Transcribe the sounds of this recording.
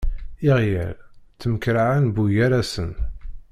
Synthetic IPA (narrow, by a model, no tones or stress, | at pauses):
ɪʁjæ̰lt͡sːəməkɾaʕænbujæɾæsən